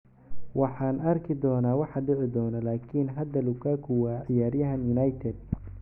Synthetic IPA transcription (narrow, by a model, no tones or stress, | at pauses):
wɑħɑːnɐrkʰɪd̪ɔːnaːwɑħɑɖɪʕɪd̪ɔːnɐlaːkʰiːnɦɐd̪ɐlʊkʰaːkʰʊwaːʕɪjaːɾjɐɦɐnjʊnɐjt̪ʰɛd̪̚